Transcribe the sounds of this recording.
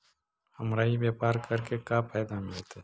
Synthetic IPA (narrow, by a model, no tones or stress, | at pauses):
həmɾaːibjeːpaːɾkəɾkekapaːd̪amɪlt̪ɛː